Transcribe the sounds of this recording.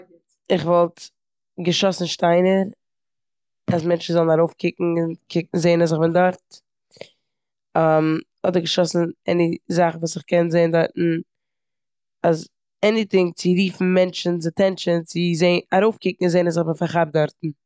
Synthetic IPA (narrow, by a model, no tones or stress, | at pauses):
ɪχvɔlˠt | ɡəʃɔsn̩ʃtaɪnəɾ | as̬mɛnt͡ʃn̩zɔlˠnaɾoʊfkʰɪkŋ̩ɪnkʰɪk̚ŋ̩zeɪnas̬ɪχbɪndɔɾt | am | ɔdəɾɡəʃɔsn̩ɛnɪzaχn̩vuːsɪχkɛnzeɪndɔɾtn̩ | az | ɛnɪtɪŋt͡sɪɾiːfn̩mɛnt͡ʃn̩t͡sɪtʰɛnt͡ʃənt͡sɪzeɪaɾoʊfkɪk̚ŋ̩ɪnzeɪnas̬ɪχbɪnfaɾχab̚dɔɾtn̩